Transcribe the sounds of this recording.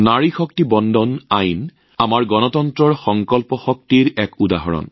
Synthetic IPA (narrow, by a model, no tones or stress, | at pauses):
naɹixɔk̚tibɔndʱɔnajn | amaɹɡɔnɔtɔntɹɔɹxɔŋkɔlpɔxɔk̚tiɹɛkudaɦɔ̰ɹɔ̰n